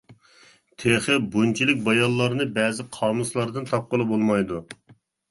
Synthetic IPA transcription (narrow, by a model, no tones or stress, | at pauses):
t̪ʰeχɪbunt͡ʃʰilɪk̚ʲbɑjɑllːˠɑɾnɨbɛːzɪqʰɑːmuslˠɑɾd̪ɨnt̪ʰɑp̚qəlˠɨbolˠmɑjd̪u